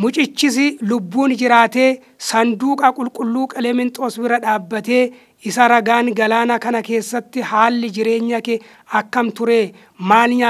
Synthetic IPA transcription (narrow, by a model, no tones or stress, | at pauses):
mʊt͡ʃʼɪt͡ʃːɪs̬ɪlʊbːuːnd͡ʒɪɾaːt̪e̞ː | sɐnd̪uːkʼɐkʼʊlkʼʊlːuːkʼɐlɛmɪnt̪ʼosbɪɾɐᶑaːbːɐt̪e̞ː | ɪsɐɾɐɡaːŋɡɐlaːnɐkɐnɐke̞ːsːɐt̪ːɪhaːlːɪd͡ʒɪɾe̞ːɲːɐkɛ | ɐkːɐmt̪ʊɾe̞ː | maːlɲaː